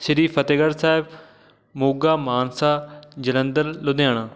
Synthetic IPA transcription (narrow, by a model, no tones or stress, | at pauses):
ʃəɾiːpʰət̪eɡəɾsaːɪb | moːɡaːmaːnsaːd͡ʒələ̃nd̪əɾlod̪ejaːɳãː